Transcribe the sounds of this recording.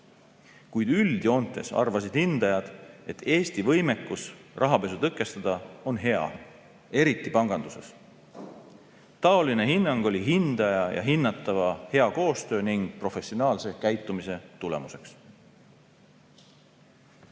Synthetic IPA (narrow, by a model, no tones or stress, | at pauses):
kujd̪̥yld̪̥io̞nt̪ːˑe̞̰sɑ̰rvɑsid̪̥hind̪̥ɑjɑd̪̥e̞t̪ːe̞ːst̪ivɤjme̞kːˑusrʔɑɦɑpe̞sut̪ɤkːˑe̞st̪ɑd̪̥ɑo̞nɦe̞ɑ̰ | e̞ɾit̪ːˑipɑŋɡ̥ɑnd̪̥use̞s | t̪ɑo̞line̞ɦinːɑŋɡ̥o̞lʲiɦind̪̥ɑjɑjɑ̰ɦinːɑt̪ːˑɑvɑhe̞ɑko̞ːst̪ø̞ːniŋɡ̥̚pro̞fe̞sionɑːlse̞kæjt̪ːˑumise̞t̪ule̞̰muse̞ks